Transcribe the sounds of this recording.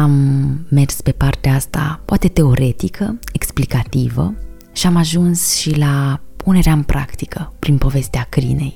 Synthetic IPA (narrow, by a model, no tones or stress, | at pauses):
amːe̞rspe̞part̪eaast̪a̰poat̪e̞t̪e̞o̞ɾʔe̞t̪ikʰəeksplikat̪ivə̰ | ʃiamaʒunsʃilapʰune̞ɾeaɨnpɾʔa̰kt̪i̥kʰəpɾinpo̞ve̞st̪eakɾḭne̞̰j